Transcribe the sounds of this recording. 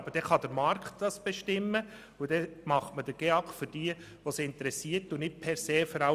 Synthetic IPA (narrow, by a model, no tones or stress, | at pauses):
bəd̥ɛχɑd̥əɾmɑɾktd̥ɑsb̥eʃtɪmːə | udɛmɑχtməd̥əɡ̥eɑkfʏɾd̥iːə | ʋosiɪntəɾɛsiːəɾtːunɪt̚pʰɛɾseːfɔɾɑ